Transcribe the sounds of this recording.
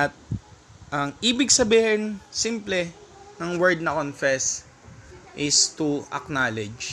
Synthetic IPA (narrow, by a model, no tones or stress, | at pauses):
ɐt̪̚ | ʔɐŋiːbɪɡsɐbiːhɛnsimplɛnɐŋwɛɹd̪̚nɐkonfɛs | ʔɪst̪uɐ̰k̚naːlɛd͡ʒ